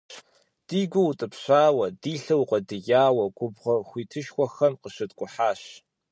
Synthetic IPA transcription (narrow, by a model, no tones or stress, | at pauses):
d̥iːɡʷʊwtʼɨpɕʷaːwɐdiːɬɐwqʷʼɐdɨjaːwɐɡʷʊbʁɐxʷiːtʰɨʃxʷɔxɐmqəɕɨtkʷʼʊħaːɕ